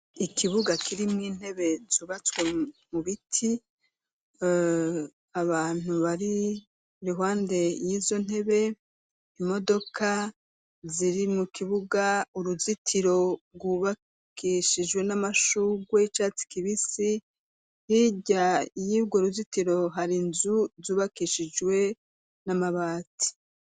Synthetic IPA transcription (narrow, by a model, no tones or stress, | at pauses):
ikʰiβuɡakʰiɾimŋiːn̥he̞βe̞zuːβat͡swemuβitʰi | aβaːn̥uβaɾi | ɾiɦwaːnde̞jiːzo̞n̥he̞βe̞ | imo̞do̞kʰa | ziɾimukʰiβuɡauɾuzitʰiɾo̞ɾɡwuβa | kiʃid͡ʒwe̞namaʃuɡwe̞t͡ʃaːt͡si̥kiβisi | hiɟajiːbɡoɾuzitiɾo̞ɦaɾinzuzuːβakiʃid͡ʒwe̞ | namaβaːti̥